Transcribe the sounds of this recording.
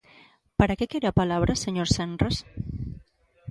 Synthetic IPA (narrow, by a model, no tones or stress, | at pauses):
paɾakekeɾeapalaβ̞ɾʔaseɲoɾsenras